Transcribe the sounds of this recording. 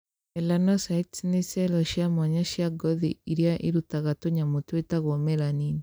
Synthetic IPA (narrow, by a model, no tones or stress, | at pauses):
ɛlanɔsaitsnesɛlɔʃjamɔɲaʃjaɡɔðiiɾjaʔiɾutaɣatoɲamotwetaɣomɛɾaniːni